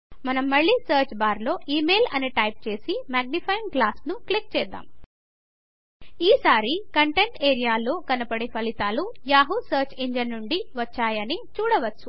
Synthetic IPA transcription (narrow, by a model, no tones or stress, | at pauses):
mɐnɐmːɐɭːiːsɐːɾt͡ʃbaːɾlo̞ːʔiːmeːlɐ̰neʈɐjp̚t͡ʃe̞ːsimaːɡ̚nipʰɐjmɡlaːsnuklik̚t͡ʃɛːd̪ːa̰ːm | iːsaːɾikɐɳʈe̞ɳʈeːɾijaːloːkɐnɐpɐɽepʰɐlit̪aːlujaːɦusɐːɾt͡ʃeɲd͡ʒɐnːuɳɖiʋɐt͡ʃːaːjɐnit͡ʃuːɽɐʋɐt͡ʃːu̥